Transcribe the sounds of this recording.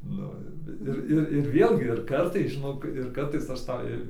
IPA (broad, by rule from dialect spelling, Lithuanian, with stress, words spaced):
ˈnʊ ɪr ʋʲɪ ˈɪr ˈɪr ɪr ˈʋʲeːlʲɡʲɪ ɪr ˈkɐrtɐɪs ʒʲɪˈnoːk ɪr ˈkɐrtɐɪs ɐʃ ˈtɑː